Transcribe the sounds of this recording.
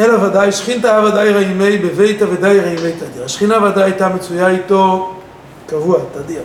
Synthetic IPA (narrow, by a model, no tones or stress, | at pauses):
ɛlavadajʃχintaavadajʁaimejbeveɪtavedajʁaimejtadiʁaʃχinavadajtamet͡sujajto | kavuatadi